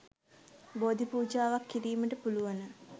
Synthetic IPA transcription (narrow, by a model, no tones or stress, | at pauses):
boːd̪ipuːd͡ʒaːʋakʰːiɾiːməʈəpuluʋanə